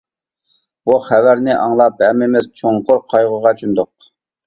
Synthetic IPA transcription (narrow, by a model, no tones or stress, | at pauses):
b̥uχævæɾnɪʔɑŋlˠɑp̚bɛʁmɪmɪzt͡ʃʰoŋqʊɾqʰɑjʁʊʁɑt͡ʃʰynd̪ʊq̚